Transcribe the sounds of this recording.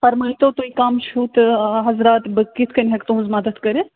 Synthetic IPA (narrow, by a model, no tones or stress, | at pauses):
pɐɾmɐːit̪oːt̪oikaːmt͡ʃʰuːt̪ɦɐzɾaːt̪bɨkit̪ʰkɐnʲɦɐkt̪uzmɐd̪ət̪kɐɾe